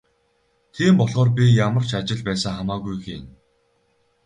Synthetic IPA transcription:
t̪ʰiːmpɔɮʁɔːrpʲijamə̆r̥t͡ɕat͡ɕɪ̆ɮpæːsə̆ŋχamaːɣujxin

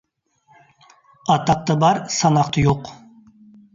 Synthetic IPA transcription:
ɑt̪ɑq̚t̪ɑbɑɾsɑnɑqt̪ʰəjoq

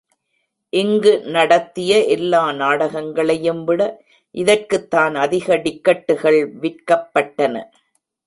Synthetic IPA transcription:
ʔɪŋɡɯnɐɽɐt̪ːɪjɐʔɛlːaːnaːɽɐɣɐŋɡɐɭɐjɯmʋɪɽɐ | ʔɪðɐrkɯt̪ːaːnɐðɪɣɐɖɪkːɐʈːɯɣɐɭʋɪrkɐpːɐʈːɐnɐ̰

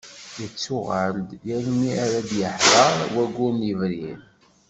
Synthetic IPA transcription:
jət͡sːʊʁəld̪jælmiaɾæd̪jəħðˤɑɾˤwæɡːʊɾnjəvɾin

